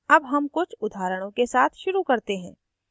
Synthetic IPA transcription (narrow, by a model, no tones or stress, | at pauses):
ɐbɦɐmkʊt͡ʃʰʊd̪ʱaːɾəɽ̃õkesaːt̪ʰʃʊɾukɐɾt̪eɦɛ̰̃ː